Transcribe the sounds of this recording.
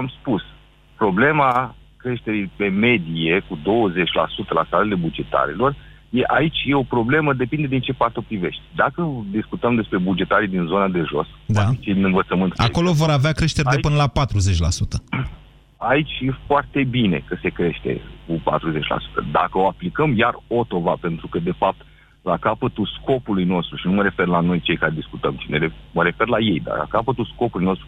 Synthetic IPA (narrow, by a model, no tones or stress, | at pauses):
amspus | pɾo̞ble̞ma | kɾe̞ʃt̪e̞ɾipe̞me̞d̪ie̞kud̪o̞wəze̞t͡ʃʲla̰sut̪əla̰st̪alele̞bud͡ʒe̞t̪a̰ɾḭlo̞r | je̞ʔait͡ʃʲje̞o̞pɾo̞bleməd̪e̞pind̪e̞d̪int͡ʃe̞pat̪opɾive̞ʃt̪ʲd̪akəd̪iskut̪əmd̪e̞spɾe̞bud͡ʒe̞t̪aɾid̪inzo̞nad̪e̞ʒo̞̰sd̪ait͡ʃejd̪inɨnvət̪səmɨnt̪a̰ko̞lo̞vo̞ɾaveakɾe̞ʃt̪eɾʲd̪epɨnəlapat̪ɾuze̞t͡ʃʲla̰sut̪ə | ait͡ʃʲefoart̪e̞bine̞kəse̞kɾe̞ʃt̪e̞̰kupa̰t̪ɾuze̞t͡ʃʲla̰su̥t̪ə̰d̪akəo̞aplikəmjarot̪o̞vape̞nt̪ɾukəd̪e̞fap̚t̪ | lakapət̪ulsko̞pulujno̞st̪ɾuʃinuməɾe̞fe̞rlano̞jt͡ʃe̞jkaɾed̪iskut̪əmʃineɾeməɾe̞fe̞rlaje̞jd̪a̰rla̰kapət̪ulsko̞pulujno̞st̪ɾu